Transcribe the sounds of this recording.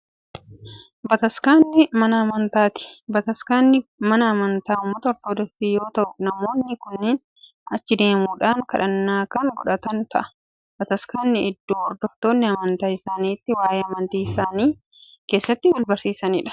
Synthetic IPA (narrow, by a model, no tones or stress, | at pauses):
bɐt̪ɐskaːnːɪmɐnɐɐmɐnt̪aːt̪ɪ̥bɐt̪ɐskaːnːɪmɐnɐɐmɐnt̪aːʊmːɐt̪ɐɔɾt̪oːd̪ɔksiːjo̞ːt̪ɐʔʊnɐmo̞ːnːɪkʊnːeːn | ɐt͡ʃːɪd̪e̞ːmuːᶑaːŋkɐᶑɐnːaːkɐŋɡɔᶑɐt̪ɐnt̪ɐ̰ʔɐ̥ | b̥ɐt̪ɐskaːnːɪʔɪd̪ːoːɔɾd̪ɔft̪o̞ːnːɪɐmɐnt̪aːɪsaːniːt̪ːɪwaːjeːɐmɐnt̪iːɪsaːniː | ke̞ːsːɐt̪ːɪwɐlbɐɾsiːsɐnḭːᶑɐ̥